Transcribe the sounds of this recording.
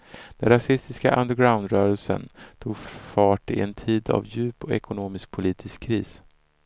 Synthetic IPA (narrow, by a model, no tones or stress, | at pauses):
d̪̥ɛnɾasɪst̪ɪskaʔand̪əɾɡɾaʊnd̪ɾœːɾəlsə̰nt̪ʰuːɡffɑːʈɪɛnt̪ʰiːd̪a̰vjʉ̟ːpɔɛkʊnoːmɪsk̚pʰʊliːt̪ʰɪskʰːɾiːs